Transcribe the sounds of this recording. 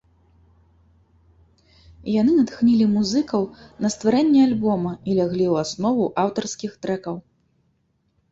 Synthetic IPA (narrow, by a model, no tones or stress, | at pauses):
janɨnɐt̪xnʲilʲimuzɨkɐwnɐst̪vaɾɛnʲːɛalʲbɔmɐilʲaɣlʲiwasnɔvuʔawt̪ɐrskʲixt̪ɾɛkɐw